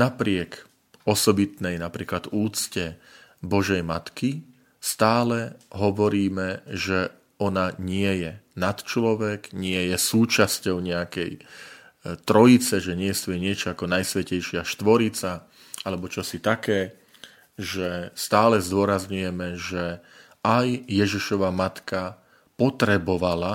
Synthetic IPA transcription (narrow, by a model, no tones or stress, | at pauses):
napɾɪɛk | ɔsɔbit̪nɛjnapɾiːklad̪uːt͡scɛ | bɔʒɛjmat̪ki | st̪aːlɛɦɔʋɔɾiːmɛʒɛ | ɔnaɲɪɛjɛnat̪t͡ʃlɔʋɛɡɲɪɛjɛsuːt͡ʃascɔʊɲɛakɛ̰j | t̪ɾɔjit͡sɛʒɛɲɪɛst̪ɔjɛɲɪɛt͡ʃɔakɔnajsʋɛcɛjʃɪaʃt̪ʋɔɾit͡sa | alɛbɔt͡ʃɔsit̪akɛː | ʒɛst̪aːlɛzd̪ʊɔɾazɲujɛmɛʒɛ | ajːɛʒiʃɔʋamat̪ka | pɔt̪ɾɛbɔʋala